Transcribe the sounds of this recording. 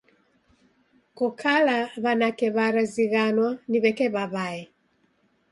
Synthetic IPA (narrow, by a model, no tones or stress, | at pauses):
kɔkʰalaβanakɛβaɾaziɣanwaniβɛkɛβaβaɛ